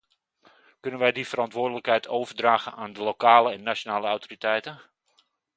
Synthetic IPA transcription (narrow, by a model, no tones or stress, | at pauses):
kɵnənʋɛjdifərɑntʋʊːdələkhɦɛjtʰoːvərdraːɣənʔaːndəlokaːləɛnːat͡ʃonaːləawtoritɛjtən